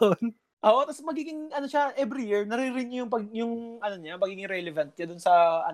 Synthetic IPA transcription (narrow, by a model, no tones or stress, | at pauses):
oʔon | ʔoːʔot̪ɐsmɐɡiːɡɪŋʔɐnoʃaʔɛvɾijɪɹnɐɾɪɾɪɲjʊŋpɐɡjʊŋʔɐnoɲamɐɡiːɡɪŋɾɛlɛvɐnt̪̚ɲɐd̪ʊnsɐʔɐ̰n